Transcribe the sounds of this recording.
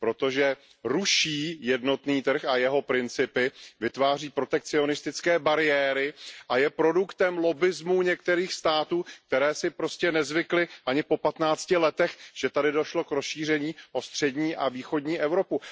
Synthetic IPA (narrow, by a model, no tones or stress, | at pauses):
pɾo̞t̪o̞ʒɛ | ɾuʃiːjɛdno̞t̪niːt̪r̩xajɛɦo̞pɾɪnt͡sɪpɪvɪt̪vaːriːpɾo̞t̪ɛk̚t͡sɪo̞nɪst̪ɪt͡skɛːbaɾɪjɛːɾɪʔajɛpɾo̞dukt̪ɛmlo̞bɪzmuɲɛk̚t̪ɛɾiːxst̪aːt̪uːk̚t̪ɛɾɛːsɪpɾo̞scɛnɛzvɪklɪʔaɲɪpo̞pat̪naːt͡scɪlɛt̪ɛxʒ̥ɛt̪adɪdo̞ʃlo̞kɾosʃiːr̝ɛɲiːʔo̞st̪r̝̥ɛdɲiːʔaviːxo̞dɲiːʔɛvɾo̞pu